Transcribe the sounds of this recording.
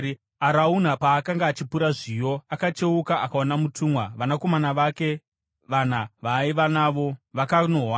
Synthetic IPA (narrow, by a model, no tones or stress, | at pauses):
aɾaun̤apaːkaŋɡaːt͡ʃipuɾaʐijo̞akat͡ʃe̞ukaakaonamutʰuːmwaʋanako̞manaʋake̞ | ʋan̤aʋaiʋanaʋoʋakanoɦwa